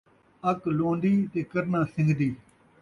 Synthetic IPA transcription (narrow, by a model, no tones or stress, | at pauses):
əkloːnd̪iːt̪eːkəɾnãːsɪ̃ŋɡʱd̪iː